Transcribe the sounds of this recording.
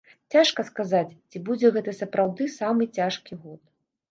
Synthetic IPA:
t͡sʲaʂkɐskazat͡sʲt͡sʲibud͡zʲɛɣɛt̪ɐsɐpɾʔawd̪ɨsamɨt͡sʲaʂkʲiɣɔt̪̚

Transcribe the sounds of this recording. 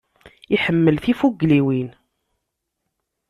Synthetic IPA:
iħəmːəlθifuɡliwin

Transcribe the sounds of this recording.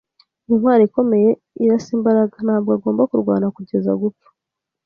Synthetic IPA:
inwaːɾiiko̞me̞je̞ | iɾasiːmbaɾaɡan̥haːbɡaɡo̞ːmbakuɾɡwa̰ːnakuɟe̞za̰ɡup͡fḁ

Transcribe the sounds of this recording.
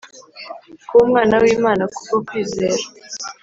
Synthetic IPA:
kumŋaːnawiːmaːnakukokwiːze̞ːɾa

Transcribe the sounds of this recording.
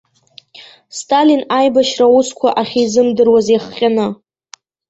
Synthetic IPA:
stʼalinajbaʃraʊskʷʰaʔaχʲijzɨmdɨrwazeχqʲʼanɨ

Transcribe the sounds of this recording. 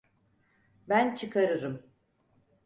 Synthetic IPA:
bænt͡ʃʰɯkʰaɾɯɾɯm

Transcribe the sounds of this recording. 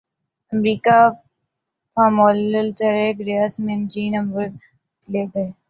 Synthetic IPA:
ɐmɾiːka | faːmoːləlt̪əɾeːkɾeasmẽnd͡ʒiːnɐ̃mbəɾ | leːɡɐeː

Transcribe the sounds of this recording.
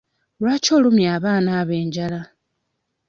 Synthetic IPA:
lwaːco̞ːlumjaːβaːnaːβe̞ːɲɟala

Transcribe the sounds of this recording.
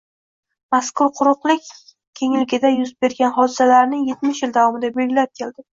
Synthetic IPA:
maskʊɾqʰʊɾʊqlˠɪkʲ | kʲʰe̞ŋlɪɡʲɪd̪ajʊzbe̞ɾɡʲanɦɒd̪ɪ̥salaɾnɪje̞t̪mɪʃjɪld̪avɒmɪd̪abe̞lɡʲɪlap̚kʲʰe̞ld̪ɪ

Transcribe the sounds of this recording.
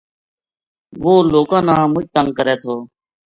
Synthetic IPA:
ʋoːloːkãːnãːmʊd͡ʒt̪əŋɡ̚kəɾeːt̪ʰoː

